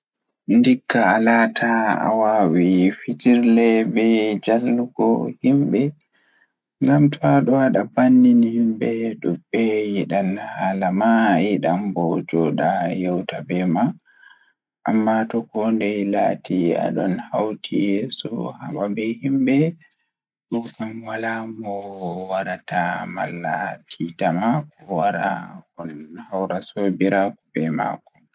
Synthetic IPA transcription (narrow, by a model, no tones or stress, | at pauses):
ndikːaːlaːtʰaa̰waːwifid͡ʒiɾlɛbɛd͡ʒalːuɡɔhimbɛ | ŋɡamtʰɔaɗɔwaɗabanːinihimbɛɗubːɛjiɗanhalamajiɗambɔd͡ʒɔɗajɛwtabɛma | ʔamːatɔkɔndɛlatʰia̰ɗɔnhawtʰijesṵhaɓabɛhimbɛ | ɗukamwalamɔwaɾatʰamalːa̰tʰitamakɔwaɾa̰ɔnhawɾasobiɾakubɛma̰kɔ̥